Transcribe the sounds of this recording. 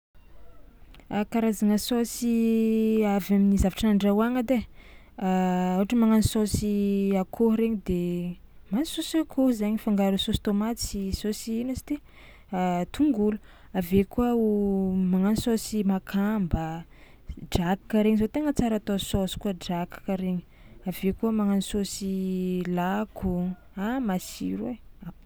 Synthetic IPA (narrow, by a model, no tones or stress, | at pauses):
akaɾazaŋəsosi | avaminizavaʈ͡ʂanaɳɖ͡ʐawaŋad̪e | uʈ͡ʂəmaŋanisosiakʰoɦɾeɲid̪e | manisosakʰohzaɲifaŋɡaɾusosi̥t̪omat̪sisosiinasi̥t̪i | at̪uŋɡulu | avekuəumaŋanisosimakʰambə | ɖ͡ʐaki̥kaɾeɲizot̪eŋət͡saɾat̪ososi̥kuəɖ͡ʐakkaɾeɲi̥ | avekuəmaŋanisosilaku | amasiɾea